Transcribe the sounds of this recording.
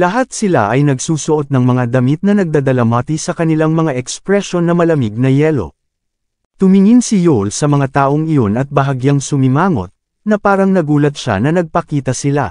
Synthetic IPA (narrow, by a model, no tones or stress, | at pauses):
lɐɦat̪̚sɪla̰ʔɐjnɐɡsuːsʊʔo̞t̪̚nɐŋmɐŋad̪ɐmit̪̚nɐnɐɡ̚d̪ad̪ɐlamat̪isɐkɐnɪlaŋmɐŋaʔɛkspɾɛʃo̞nːɐmɐlɐmiɡ̚nɐjɛːlo̞̰ | t̪ʊmɪŋinsijolsɐmɐŋat̪aːʔoŋɪjo̞nɐt̪̚bɐɦɐɡjaŋsʊmɪmaːŋo̞̰t̪̚ | nɐpaːɾɐŋnɐɡuːlɐt̪̚ʃa̰nɐnɐɡ̚pɐkiːt̪ɐsɪla̰